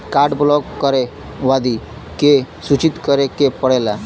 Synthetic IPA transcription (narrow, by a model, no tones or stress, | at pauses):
kaɾɖblɔkːəɾe | ʋad̪i | kesut͡ɕit̪kəɾekepəɽala